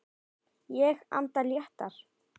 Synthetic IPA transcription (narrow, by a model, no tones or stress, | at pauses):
jɛxa̰nt̪aljaht̪aɾ̥